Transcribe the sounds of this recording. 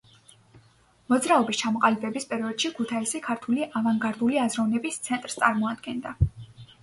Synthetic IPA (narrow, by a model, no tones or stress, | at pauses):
mɔd̪zɾaɔbist͡ʃʰamɔqʼalibɛbispʼɛɾiɔd̪̥ʃikʰut̪ʰaisikʰaɾt̪ʰuliʔavaŋɡaɾd̪uliazɾɔvnɛbist̪sʰɛnt̪ʼɾst̪sʼaɾmɔad̪ɡɛnd̪a